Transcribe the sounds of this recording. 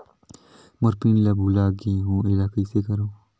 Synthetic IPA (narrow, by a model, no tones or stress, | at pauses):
mʊɾpiːnləbʱuːlaːɡĩːɦõːɪlaːkiːseːkəɾoː